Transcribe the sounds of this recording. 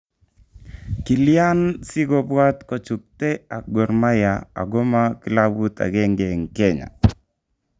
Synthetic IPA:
ki˨lja˦nsɪ˦ɡɔ˨bwa˦tkɔ˨t͡ʃu˨k̚te˦a˨ɡɔ˨ɾma˦ja˨a̰˨ɡɔ˦ma˦ki˦la˦bu˦ta̰˨ɡɛ˦ŋɡɛ˨ŋkɛ˦˨ɲa̰˨

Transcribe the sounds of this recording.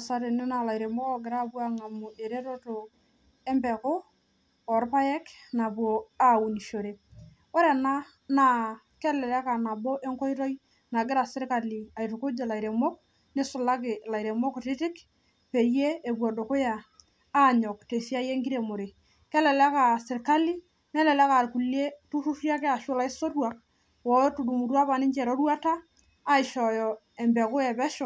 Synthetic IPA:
a˨sa˦ɾe˨nɪ˦na˨la˨jɾe˨mɔ˦kɔ˨ɡɪ˨ɾa˦pwa˦ŋa˨mʊ˨ʔe˨ɾe˦ɾo˦to˨ | e˦mpɛ˨kʊː˦˨ | ɾpa˦jɛ˦kna˨pwo˨a˦u˨ni˨ʃo˨ɾe˦ | o˦ɾe˨na˦ | na˨ | kɛ˦lɛ˨lɛ˦ka˨na˨bo˦ʔe˦ŋkɔ˦jɾo˦j | na˨ɡɪ˦ɾa˨sɪ˦ɾka˨li˨a˨jtʊ˨kʊ˦d͡ʒe˨la˨jɾe˨mɔ˦k̚ | ne˦sʊ˨la˦kɪ˨la˨iɾe˨mɔ˦ktɪ˦tɪ˦k | pe˨je˦e˨bwɔ˨do˨kʊ˦jaː˨˦˨ | ɲɔ˨kte˨si˦a˦je˦ŋɡi˦ɾe˨mo˨ɾe˨ | kɛ˦lɛ˨la˦ka˨sɪ˨ɾka˦li˦ | nɛ˦lɛ˨la˦ka˨ɾku˨le˦tu˦ʃu˦ʃja˦kɛ˦a˨ʃʊ˦la˦i˦so˦twa˦˨k̚ | wɔ˨˦tu˨du˨mu˨ɾwa˦pa˨nɪ˦ɲt͡ʃɛ˨ɾo˦ɾwa˦taː˦ | ɪ˨ʃɔ˨jɔ˨ | ɛ˨mbɛ˨kʊ˦jɛ˨bɛ˦ʃɔ˨

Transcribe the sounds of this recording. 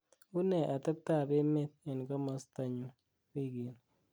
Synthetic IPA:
u˦nɛ˨ʔa˨tɪ˦p̚ta˦˨be˦me˦t̚e˨nka˦mɔ˨sta˨ɲu˨ | ki˦˨ɡe˨n

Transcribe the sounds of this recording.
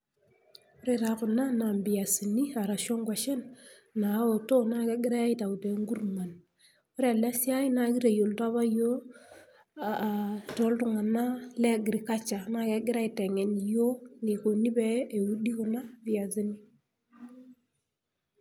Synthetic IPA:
o˦ɾe˨ta˨˦kʊ˨na˦na˨mbi˨ja˨si˨ni˦a˨ɾa˨ʃɔ˦ŋɡwa˨ʃɛ˦nː | a˨˦o˨to˦na˦kɛ˦ɡɪ˦ɾa˦i˦ta˨u˨te˨˦ŋɡu˦ɾrma˨n | o˦ɾe˦a˨la˦sja˦jna˨ki˦ɾe˨jo˨lta˦βa˦jo˦ | a˨tɔ˨˦ltʊ˨ŋa˨na˦lɛ˦ɡɪ˨ɾi˨ka˦t͡ʃa˨na˦ke˦ɡɪ˦ɾa˦i˨tɛ˨ŋɛ˨njo˦ne˨ko˨ni˦bɛ˦e˨u˦di˦kʊ˨na˦bi˨a˨si˦ni˦

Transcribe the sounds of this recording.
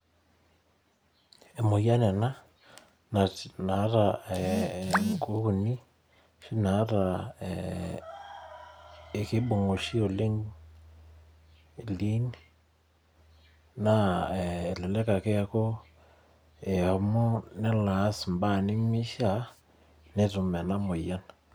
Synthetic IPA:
e˨mo˨ja˦nɛ˨na˦ | na˨na˨˦ɾa˨ɛ˨ŋko˦ku˨ni˦ | ʃi˦na˨˦ɾa˨ | e˨ke˦bo˨ŋo˨ʃi˦o˨le˦ŋ˨ | li˦n | na˦˨ | lɛ˨lɛ˦ka˨kɛ˦kɔ˦ | e˨a˨mɔ˦nɛ˦la˨˦smba˦˨ni˦mi˦ʃa˦ | ne˦tu˨mɛ˨na˦mo˨ja˦n

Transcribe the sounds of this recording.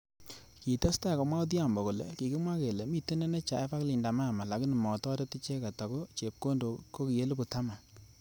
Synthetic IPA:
ki˨to˦sta˦˨kɔ˨mwa˦ʊ˦t̬i˦a˨mbɔ˨ko˨lḛ˨ki˨ki˦mwa˦ke˨le˨mi˦te˦ne˦ne˦t͡ʃa˨e˦pa˦kli˨nda˨ma˦a˨ma˨la˨kɪ˦n˨mɔ˨tɔ˦ɾe˦ti˦t͡ʃe˦ka˨tɔ˨ko˦t͡ʃe˨p̚ko˦ndo˨ko˦ki˨je˦lpu˨ta˦ma˨

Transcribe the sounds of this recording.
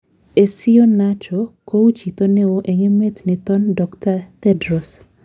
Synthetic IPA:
e˨sɪ˦jo˦nat͡ʃo˨ko˦wu˦t͡ʃi˨t̪o˦ne˦woʔe˨ŋe˦me˦t̪nɪt̪ɔ˦ndɔktat̪ɛdɾo˨s

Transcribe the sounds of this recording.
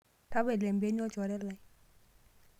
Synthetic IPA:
ta˦bɛ˨lɛ˨mbe˦ɲ˦ɔ˦d͡ʒɔ˨ɾɛ˦la˨˦

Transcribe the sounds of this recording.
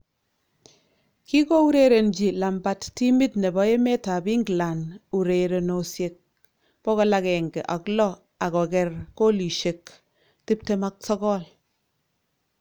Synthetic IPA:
ki˦ko˦u˦ɾe˨ɾe˨nd͡ʒi˨la˨mba˦tti˦mi˦tne˨bɔ˦e˦me˦ta˨bi˦ŋɡla˨nu˨ɾe˨ɾe˨no˨sje˨k̚ | pɔ˦kɔ˦la˦kɛ˨ŋɡe˨ʔa˨klɔ˦ | a˨kɔ˨kɛ˨rko˦li˨ʃe˨k | ti˦p̚te˦ma˦k̚sɔ˦kɔ˦l

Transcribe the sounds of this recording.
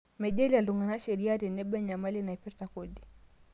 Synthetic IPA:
mɛ˨ʄɛ˦lia˨lu˨ŋɡa˨na˦ʃɛ˨ɾi˦a˦ɾɛ˨nɛ˦ɓɛ˦ɲa˨ma˦lina˨ɛ˨pɛ˦ɾta˨kɔdi˨

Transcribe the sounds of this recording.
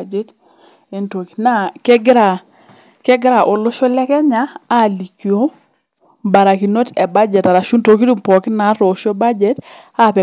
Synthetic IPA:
d͡ʒe˦t | e˨nto˨ki̥˨na˦kɛ˦ɡɾa˨ | kɛ˦ɡɾa˨ʔo˨lʊ˦ʃo˦lɛ˦kɛ˦ɲaː˦˨li˨kjo˨˦ | ba˨ɾa˨ki˨no˦tɛ˨ba˦d͡ʒɛ˨ta˨ɾa˨ʃu˦nto˨k̬i˦du˦mpɔ˨kɪ˦na˨˦ɾo˨ʃo˦ba˦d͡ʒɛ˦t | a˦˨pɛ˨

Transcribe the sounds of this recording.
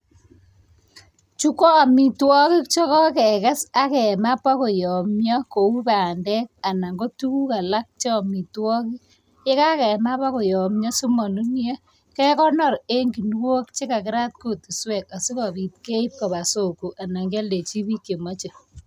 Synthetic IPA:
t͡ʃu˦kɔ˦˨mi˨twɔ˦ki˦k̚t͡ʃɔ˦kɔ˦kɛ˨ka˦sa˦kɛ˨ma˦pa˦ko˨jɔ˨mjɔ˦ko˨u˦pa˨ndɛ˦k̚a˨na˨ŋɡo˦tu˦ku˦ka˨la˦k̚t͡ʃe˦˨mi˨twɔ˦ki˦ | je˦ka˦kɛ˨ma˦pa˦ko˨jɔ˨mɲɔ˦su˦mɔ˨nu˦nje˦ | kɛ˦kɔ˦nɔ˨ɾe˦ŋɡi˨nwo˦k̚t͡ʃe˦ka˨kɪ˦ɾa˦t̚ko˦˨tu˨swɛ˨ka˨si˦kɔ˨bi˨t̚ke˦i˦p̚kɔ˨βa˨so˨ku˨ʔa˨na˨ŋɡa˦lde˨t͡ʃi˦bi˦kje˨mɔ˦t͡ʃe˨

